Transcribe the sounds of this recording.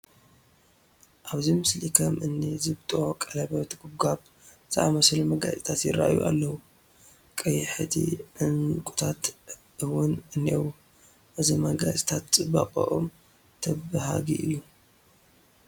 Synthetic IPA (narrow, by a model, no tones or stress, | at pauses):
ʔaβzimɨslikʰɐmɨnːizɨbt̪ʼokʼɐlɐβɐt̪ɡuɡaβ | z̥ɨʔa̰mɐslumɐɡa̰zʼit̪ʰat̪jɪɾa̰ʔajṵʔa̰lːɐwu | kʼɐjħɨt̪ʰḭʔɨnkʼu̥t̪ʰat̪ | ɨwʊnɨnːiewu | ʔɨzimɐɡa̰zʼi̥t̪ʰat̪t͡sʼɨbaqʼɐ̰ʔom | t̪ʰɐbɨɦa̰ɡiʔɨjːu